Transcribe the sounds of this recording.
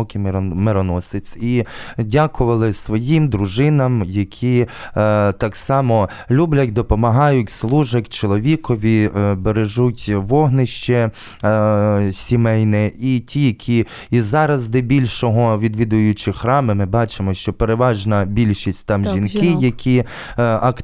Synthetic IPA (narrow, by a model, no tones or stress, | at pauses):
ɔkɪmeɾɔnɔsɪt͡s̪ʲidʲakʊʋɐlˠɪsʋɔjimd̪ɾʊʒɪnɐmjɐkʲʰi | t̪ɑksɑmɔ | lʲublʲɐt̚ʲd̪ɔpɔmɐɦɑjʊtʲslˠuʒɐtʲt͡ʃɔlˠɔʋʲikɔʋʲibeɾeʒutʲʋɔɦnɪʃt͡ʃɛ | sʲimɛjnɛitʲijɐkʲʰi | izɑɾɐzd̪ɛbʲilʲʃɔɦɔʋʲid̪ʋʲid̪ʊjʊt͡ʃɪxɾɑmɪmɪbɑt͡ʃɪmɔʃt͡ʃɔpeɾeʋɑʒnɐbʲilʲʃisʲtʲt̪ɑmʒʲinkɪjɐkʲʰi | ɐk